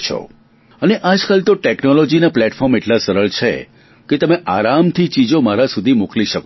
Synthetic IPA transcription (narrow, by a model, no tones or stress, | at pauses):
t͡ʃʰɔ̰ | əneʔad͡ʒkalt̪oʈeknɔlɔd͡ʒinaplɛʈfʰɔɾmeʈlasəɾəɭt͡ʃʰḛ | ket̪əmeʔaɾamt̪ʰit͡ʃid͡ʒomaɾasud̪ʱimukliʃəko